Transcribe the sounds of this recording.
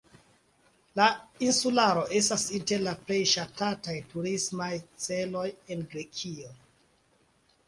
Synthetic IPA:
lainsulaɾo̞ʔe̞stasinte̞ɾlaple̞jʃatatajtuɾismajt͡se̞lo̞je̞nɡɾe̞kʰio

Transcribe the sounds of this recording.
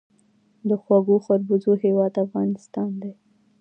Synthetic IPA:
d̪əxwaɡoxaɾbuzoɦewɑd̪afɣɑnɪst̪ɑnd̪e

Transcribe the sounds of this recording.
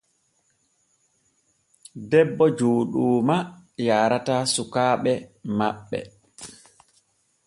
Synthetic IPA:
dɛbːɔd͡ʒoːɗuːmajaːɾatasukaːɓɛmaɓːɛ̰

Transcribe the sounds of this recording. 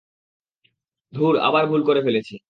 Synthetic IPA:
d̪ʱuɾa̰baɾbʱulkoɾefelet͡ɕʰi

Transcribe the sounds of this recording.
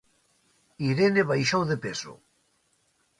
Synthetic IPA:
iɾeneβajʃowðepeso̰

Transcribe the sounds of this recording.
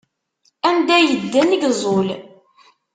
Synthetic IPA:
ænd̪æjəd̪ːænəɡzˤol

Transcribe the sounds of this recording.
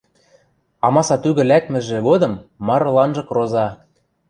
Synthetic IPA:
ɑmɑsɑt̪yɣɘ̆lækmɘ̆ʒĕɣod̪ɤ̆mːɑɾɤ̆lɑnʒɤ̆krozɑ

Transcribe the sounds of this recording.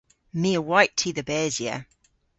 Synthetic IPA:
miəwaɪtʰiðəbɛːzjɛ̰

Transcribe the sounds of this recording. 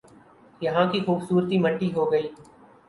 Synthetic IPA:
jɐɦãːkixuːbsuːɾt̪iːməʈːiːɦoːɡəiː

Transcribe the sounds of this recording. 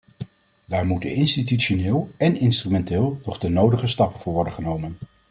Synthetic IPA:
daːɹmutə̰nɪnstityʃonɪːlˠɛnɪnstrymɛntɪːlˠnɔχdənowdəχəstɑpənvʊːɹʋɔɹdəχənowmən

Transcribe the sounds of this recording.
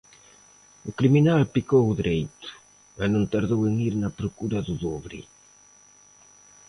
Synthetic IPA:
ukɾiminalpikowuðiɾejt̪u̥ | anũŋt̪aɾðoweŋiɾnɐpɾokuɾɐðuðoβɾḭ

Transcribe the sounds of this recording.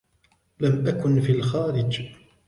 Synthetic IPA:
lamʔakʊnfilxaːɾɪd͡ʒ

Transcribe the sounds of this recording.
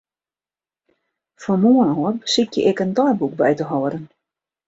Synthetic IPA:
fɔmuənɔərbəsikjəʔɪkəndɔjbuk̚bɛjtəɦɔːəɾən

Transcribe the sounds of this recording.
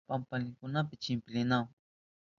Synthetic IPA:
pampalɪŋkʊnap̬ɪt͡ʃɪmpɪlɪnaŋ

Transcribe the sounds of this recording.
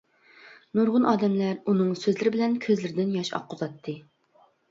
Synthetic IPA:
noɾʁʊnʔɑːd̪ɛmlæɾunɨŋsøzlɪɾɪbɪlɛnkʲʰøzlɪɾɪd̪ɪnjɑʃɑ̰qʰːʊzɑt̪ʰːɨ

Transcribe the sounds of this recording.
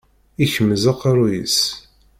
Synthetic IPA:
içəmzəqɑɾˤujḭs

